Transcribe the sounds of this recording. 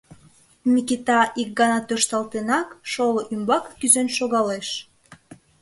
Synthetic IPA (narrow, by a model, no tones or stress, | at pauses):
mikit̪ɑʔik̚ɡɑnɑt̪øʃt̪ɑlt̪enɑkʃoloʔymbɑkːyzønʃoɣɑleʃ